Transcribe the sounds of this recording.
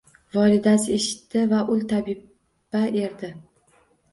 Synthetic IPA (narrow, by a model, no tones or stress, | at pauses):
vɒlɪd̪asɪe̞ʃɪ̥t̪ːɪvaʔʊlt̪ʰabib | ae̞ɾd̪ɪ